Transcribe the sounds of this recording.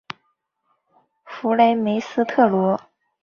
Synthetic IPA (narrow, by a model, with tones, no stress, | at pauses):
fu˧˥le˧˥ɪme˧˥ɪsɹ̩˥t̪ʰɤ˥˩lwɔ˧˥